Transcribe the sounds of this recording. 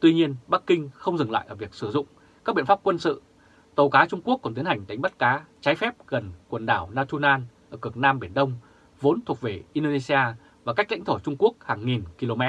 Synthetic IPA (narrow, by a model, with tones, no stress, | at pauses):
t̪wi˧ɲi˧ənɓa˦˥k̚kːï˧ŋ̟xə˧wŋ͡mzɨ˨˩ŋla̰ː˧˨ʔəː˧˩vi˨˩ək̚sɨ˧˩zʊ̰˧˨ŋ͡m | ka˦˥k̚ɓḭ˧˨ə˨fa˦˥p̚kwə˧nsɨ̰˧˨ | t̪ə˨˩wkaː˨˦t͡ɕʊ˧ŋ͡mku˦˥əkːŋ͡mt̪i˨˦nha˨˩jŋ̟ɗa˨˦ŋ̟ɓa˦˥t̚kaː˨˦t͡ɕaː˨˦jfɛ˦˥p̚ɣə˨˩nkwə˨˩nɗaː˧˩wnaː˧t̪ʰu˧naː˧nʔəː˧˩kɨ˨˩ək̚naː˧mɓi˧˩ənɗə˧wŋ͡m | vo˨˦nt̪ʰu˨˩k̚ve˨˩ʔi˧ɗo˧ne˧si˧aː˧ | vaː˨˩ka˦˥k̟la̰˧˥ŋ̟t̪ʰo˧˩t͡ɕʊ˧ŋ͡mku˦˥ək̚haː˨˩ŋŋi˨˩nki˧lo˧mɛ˦˥t̚